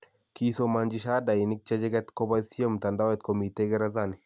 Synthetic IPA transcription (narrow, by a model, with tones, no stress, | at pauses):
kiso˨ma˨ɲd͡ʒi˨ʃa˦da˨jini˦k̚t͡ʃɛ˦d͡ʒɛɡɛ˦t̪ko˦ba˦si˦o˦mt̪a˨nda˦wɛ˦t̪ko˨mi˨teɡɛ˦ɾazani˨